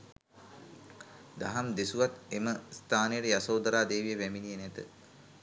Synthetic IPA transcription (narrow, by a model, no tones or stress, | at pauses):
d̪aɦamd̪esuʋat̪eməst̪ʰaːnejəʈəjasowd̪əɾaːd̪eːʋijəʋæminijənɛt̪ə